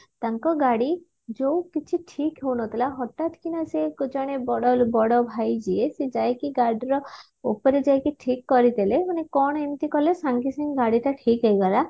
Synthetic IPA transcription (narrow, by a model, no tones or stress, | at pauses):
t̪aŋkɔɡaɽi | d͡ʒowkit͡ʃʰiʈʰikɦewnɔt̪ilaɦɔʈat̪kinasekot͡ʃɔɽ̃ebɔɽɔlbɔɽɔbʱajd͡ʒiesed͡ʒajkiɡaɾɖɾɔ | upɔɾed͡ʒajkiʈʰikːɔɾit̪elemanekɔɽ̃ɔemt̪ikɔlesaŋkisiŋɡaɽiʈaʈʰikɦejɡala